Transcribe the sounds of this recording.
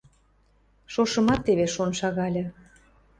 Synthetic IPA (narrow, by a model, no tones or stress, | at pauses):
ʃoʃɤ̆mɑt̪ːeβeʃonʃɑɣɑlʲɤ̆